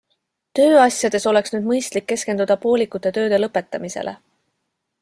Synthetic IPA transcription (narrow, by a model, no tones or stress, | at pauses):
t̪ø̞ːɑsʲjɑd̪̥e̞so̞le̞ksnyːd̪̚mɤjst̪likːe̞ske̞nd̪̥ud̪̥ɑpo̞ːlikːˑut̪ːˑe̞t̪ø̞ːd̪̥e̞lɤpːˑe̞t̪ːˑɑmise̞̰lʔe